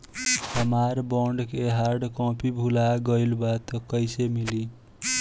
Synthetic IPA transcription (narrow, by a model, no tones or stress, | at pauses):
ɦʌmaɾbɔɳɖkeɦaɾɖkɔ̃pibʱulaɡʌjlbat̪kʌjsemili